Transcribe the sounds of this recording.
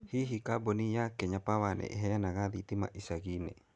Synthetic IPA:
hiɦikabonijakeɲapawanḛʔeɦeanaɡad̪it̪ima̰ʔisaɡine

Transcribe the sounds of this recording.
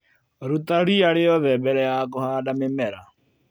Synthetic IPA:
ɾutaɾiaɾejɔðɛbɛɾɛjak̬ohaːdamemɛɾa

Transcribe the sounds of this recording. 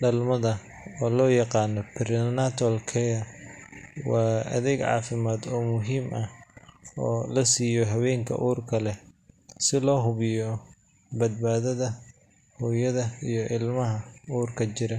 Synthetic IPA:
ɖɐlmɐðɐ | ɔːlɔːjɑqɑːnɔpʰɪɾɪnat̪ʰɔlkʰɛjɐ | wɑːɐ̰ðɛɡʕɑ̰ːfɪmaːd̪ɔːmʊɦiːmʔɐ | ɔːlɐsiːjɔɦɐwɛːŋkʰɐ̰ʔuːrkʰɐlɛsɪlɔːɦʊβɪjɔ | bɐd̪̚baːðɐðɐ | hɔːjɐðɐijɔʔɪlmɐɦɐuːrkʰɐt͡ʃɪɾɐ

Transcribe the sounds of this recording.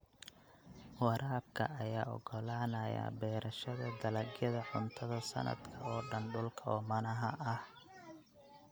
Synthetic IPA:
wɑɾʔaːb̚kʰɐʔɐjaːɔ̰ɡɔlaːnɐja̰bɛːɾɐʃɐðɐd̪ɐlɐɡjɐðɐʕʊnt̪ʰɐðɐsɐ̰nɐ̰d̪kʰɐɔːɖɐnɖʊlkʰɐɔːmɐnɐɦɐʔɐh

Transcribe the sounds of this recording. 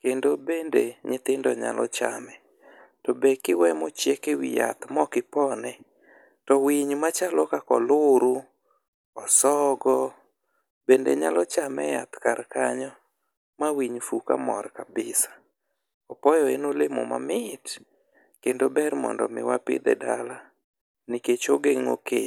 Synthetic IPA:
kendobendeɲɪt̪ɪndɔɲa̰lɔt͡ʃa̰mɛ | tɔbekɪwɛmɔt͡ʃjekewija̰t̪mɔkɪpɔnɛ | tɔwiɲmat͡ʃalɔkakɔ̰lʊɾu | ɔsɔɡɔ | bendḛɲalɔt͡ʃamɛ̰ja̰t̪kaɾkaɲɔ | mawiɲfuka̰mɔ̰rkabɪsḁ | ɔpɔjɔenolɪmo̰ma̰mɪt | kendobɛrmɔ̰ndɔ̰mɪ̰wapɪ̰d̪ɛ̰dala | niket͡ʃoɡeŋo̰ke

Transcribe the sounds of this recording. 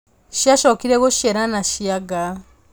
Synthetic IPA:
ʃiaʃɔkiɾɛɣoʃiɛɾanaʃiaɡa

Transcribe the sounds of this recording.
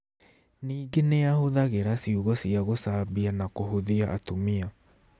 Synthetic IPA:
niːɡeneahoðaɣeɾasiuɣɔsiaɣosaːbianakoɦoðiaʔatomia

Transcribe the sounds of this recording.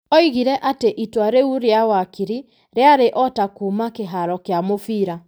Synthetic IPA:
ɔiɣiɾɛʔateʔitwaɾeuɾeawakiɾi | ɾeaɾeʔɔtakumakeɦaɾɔkeamofiːɾa

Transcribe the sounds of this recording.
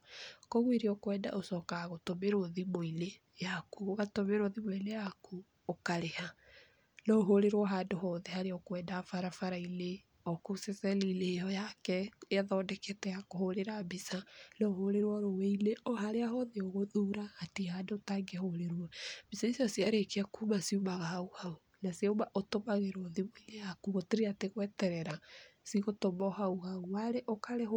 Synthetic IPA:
koɣweɾeɔkwɛːnda̰ʔosɔkaɣotomeɾoðimoile | jakuoɣatomeɾoðimoilejaku | okaɾeha | lɔɦoɾeɾwɔɦadoɦɔðɛhaɾeɔkwɛndafaɾafaɾaile | ɔkusɛsɛlilejɔjakɛeaðɔːdɛketɛjakohoɾeɾabisanɔɦoɾeɾwɔɾowɛileɔhaɾeaɦɔðeoɣoðuɾaːtihadotaŋɡehoɾeɾwɔb̥isaisasiaɾekeakumasiumaɣahauhau | nasiaomaʔotomaɣeɾɔðimoilejakuɣoteɾeateɣwɛtɛɾɛɾasiɣotomɔɦauhauaɾeʔokaɾe

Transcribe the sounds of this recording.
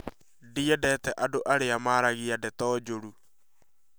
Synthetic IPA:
diɛdɛtɛʔadoʔaɾeamaːɾaɣiadɛtɔːd͡ʒoɾu

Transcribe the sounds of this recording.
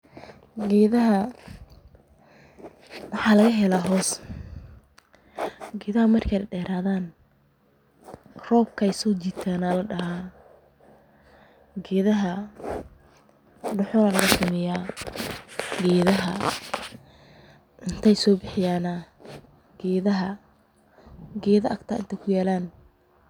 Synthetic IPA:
ɡɛːðɐɦɐ | wɑħɑːlɐɣɐɦɛlaːɦɔːs | ɡɛːðɐɦɐmɐrkʰɛjɖɛːɾaːðaːn | rɔːb̚kʰɛjsɔːt͡ʃɪt̪ʰaːnalɐɖɐɦaː | ɡɛːðɐɦɐ | ɖʊħɔnɐlɐɣɐsʊmɛjaː | ɡɛːðɐɦɐ | ʔɪnt̪ʰɛjsɔːbɪħɪjaːnɐ | ɡɛːðɐɦɐ | ɡɛːðɐɐɡt̪ʰaːʔɪ̰nt̪ʰɐkʰʊjaːlaːn

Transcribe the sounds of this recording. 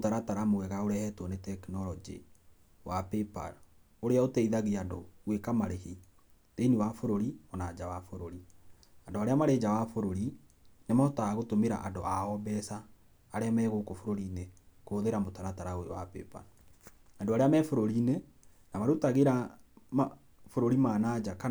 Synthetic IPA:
motaɾataɾamowɛɣaoɾɛhɛtwɔnetɛkinɔlɔd͡ʒḛ | wapɛpa̰ɾ | oɾeaotɛiðaɣiando̰wekamaɾehi | deniwafoɾoɾiɔnad͡ʒawafoɾoɾi | andoaɾeamaɾed͡ʒawafoɾoɾinemaɔtaaɣotomeɾa̰ʔandoʔaɔbɛsaː | ɾeamɛːɣokofoɾoɾiːnekoːðeɾamotaɾataɾaoewa̰pɛ̰pa̰ɾ | andoaɾeamɛfoɾoɾine | namaɾutaɣeɾama | foɾoɾimaːnad͡ʒaka

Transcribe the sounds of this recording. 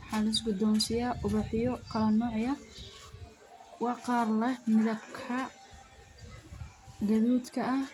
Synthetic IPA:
ħɑːlɪs̬ɡʊd̪ɔːnsɪjaːʔʊβɑħɪjɔqʰɑlɐnːɔːʕjɐ | wɑːqɑːrlɛmɪðɐbkʰɐ | ɡɐðuːd̪kʰɐʔːh

